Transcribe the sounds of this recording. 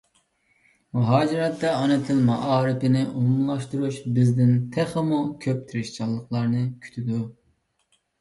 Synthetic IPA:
muɦɑːd͡ʒɪɾɛt̪ːɛɑnɨt̪ʰɪlmɑʔɑːɾɪpɪnɪʔumlˠɑʃt̪uɾuʃbɪzd̪ɪnt̪ʰɛχəmukʲʰøp̚t̪ʰyɾɪʃt͡ʃʰɑlˠːəqlˠɑɾnɨkʲʰy̥t̪ʰɪd̪u

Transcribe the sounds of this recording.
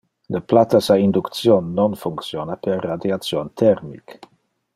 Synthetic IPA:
ləplat̪asaind̪ukt̪sjonːonfuŋksjonapɛrːad̪jat̪sjont̪ʰɛɾmḭk

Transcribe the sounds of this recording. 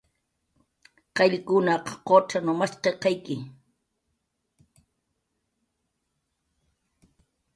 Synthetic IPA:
qɑʎkʊnaqɑ̥qoʈ͡ʂanomasqeqɑjkɪ

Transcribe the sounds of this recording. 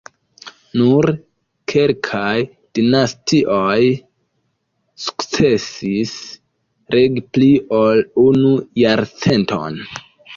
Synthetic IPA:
nuɾ | kʰe̞lkʰaj | d̥inastiʔo̞j | su̥kt͡se̞sis | ɾeɡpliʔo̞lunujaɾt͡se̞ntʰo̞̰n

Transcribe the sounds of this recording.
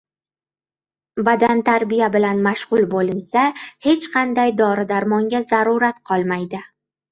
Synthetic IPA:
bad̪ant̪ʰaɾbɪjabɪlanmaʃʁʊlˠbolɪnsahe̞t͡ʃqʰɑnd̪ajd̪ɒɾɪd̪aɾmɒŋɡʲazaɾʊɾat̪qʰɒlˠmajd̪ɪ

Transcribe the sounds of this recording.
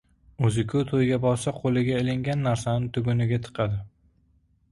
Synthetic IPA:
ɵzɪkʲʰʊt̪ʰojɡʲabɒɾsaqʰolɪɡʲaɪlɪŋɡʲanːaɾsanɪt̪ʰʊɡʊnɪɡʲat̪ʰɨ̥qʰɑd̪ɪ

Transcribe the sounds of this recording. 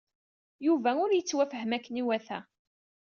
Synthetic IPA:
juvæʊɾjət͡sːwæfəɦəmækːəniwæθæ̰

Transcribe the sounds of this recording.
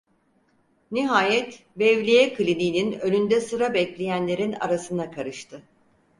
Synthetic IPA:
niɦaːjɛt̪ | bɛvlʲijɛkʰɯlʲiniːninølynd̪ɛsɯɾabɛclʲejænlʲe̞ɾina̰ɾasɯnd̪akʰaɾɯʃt̪ʰɯ

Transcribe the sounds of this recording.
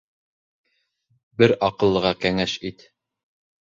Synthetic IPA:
bɘɾɑqɤ̆lˠːɤ̆ʁɑkæŋæʃit̪

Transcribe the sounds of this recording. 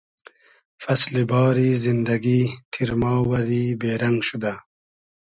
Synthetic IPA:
fɐslibɑːɾiːzind̪ɐɡiːt̪ʰiɾmɑːwɐɾiːbeːɾɐŋɡʃud̪a

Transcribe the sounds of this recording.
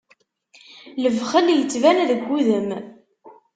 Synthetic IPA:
ləvχəljət͡sːvænæðəɡʷːuðəm

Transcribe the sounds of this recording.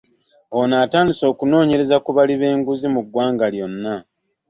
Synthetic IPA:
onaːtaːndiso̞ːkuno̞ːɲe̞ɾe̞zakuβaliβe̞ːŋɡuzimuɡwaːŋɡaljo̞nːa

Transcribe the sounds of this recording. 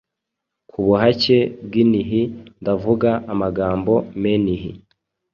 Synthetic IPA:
kʰuβuɦace̞b̚ɡiniɦindavuɡaːmaɡaːmbo̞meniɦḭ

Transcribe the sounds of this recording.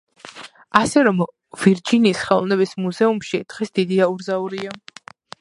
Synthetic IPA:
asɛɾɔm | viɾd͡ʒinisχɛlˠnɛbismuzɛumʃid̪̥ʁɛsd̪id̪iauɾzauɾia

